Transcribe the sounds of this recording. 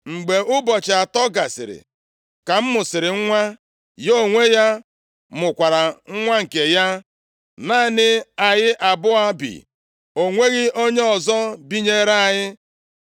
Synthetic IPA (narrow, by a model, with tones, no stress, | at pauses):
ŋ͡m̩˨ɡ͡be˨ʔʊ˦bɔ˨t͡ʃa˨tɔ˦ɡa˨sɪ̰˨ɾɪ̰˨ | ka˨m̩˦mʊ˨sɪ˨ɾɪ˨ŋ̩˦ŋʷa˦ | jo˦˨ŋʷe˦ja˦ | mʊ˨kʷa˨ɾa˨ŋ̩˦ŋʷa˦ŋ̩˨ke˨ja˦ | naː˦nɪ˦a˨jɪ˦ʔa˨bʊ˦a˦bḭ˨ | o˨ŋʷe˦ɣɪ˦ʔo˦ɲe˦ɔ˨zɔ˦bi˦ɲe˦ɾa˦a˨ɲɪ˦